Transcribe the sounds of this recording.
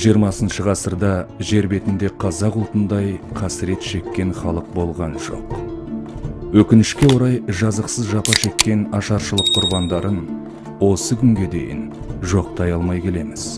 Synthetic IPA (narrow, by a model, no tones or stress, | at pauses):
ʒijəɾmɑsənʃəʁɑsəɾd̪ɑʒe̞ɾbe̞t̪ɪnd̪e̞qʰɑzɑqʊlˠt̪ənd̪ɑjqʰɑsɪɾe̞t̪ʃe̞kʲːe̞nχɑlˠəq̚bo̞lˠʁɑnʒ̥o̞̰q | wɵkʲɪnɪʃkʲe̞wo̞ɾɑjʒɑzəqsəzʒɑpɑʃe̞kʲːe̞nɑʃɑɾʃəlˠəqːʰʊɾbɑnd̪ɑɾən | wo̞səkʲʰʏŋɡʲe̞d̪e̞̰jɪ̰n | ʒo̞q̚t̪ɑjɑlˠmɑjkʲʰe̞le̞mɪz̥